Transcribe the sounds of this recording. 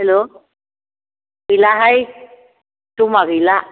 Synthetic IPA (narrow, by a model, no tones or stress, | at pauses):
hɛlo | ɡilaɦaj | tumaɡila